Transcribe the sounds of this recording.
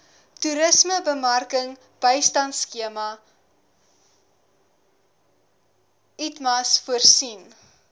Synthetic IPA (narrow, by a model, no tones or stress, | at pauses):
tuɾəsməbəmɐrkəŋ | b̥əjstɐntskiəmɐ | itmɐsfuərsin